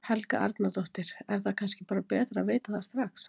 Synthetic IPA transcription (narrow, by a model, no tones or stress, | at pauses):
hɛlka̰ʔa̰ɾt̪nat̪oht̪ɪɾ̥ɛɾ̥θakʰanscɪpaːɾapɛːt̪ɾaveːjt̪aθast̪ɾaxs